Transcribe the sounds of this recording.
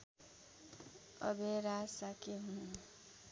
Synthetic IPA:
ʌbeɾasakeɦun

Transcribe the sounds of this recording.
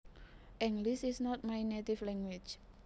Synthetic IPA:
ʔɛŋɡlisisnɔt̪̚majnet̪iflɛŋwi̥t͡ʃ

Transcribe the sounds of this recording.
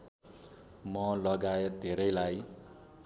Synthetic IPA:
mʌlʌɡaet̪̚d̪ʱeɾʌjlaj

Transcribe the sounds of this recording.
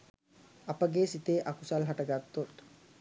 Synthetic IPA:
ɐpəɡeːsit̪eːʔakusalɦɐʈɐɡat̪ːot̪

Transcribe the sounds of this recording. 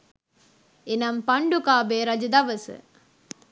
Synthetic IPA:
enɐmpɐɳɖukaːbeːɾɐd͡ʒɐd̪ɐʋɐsɨ̰

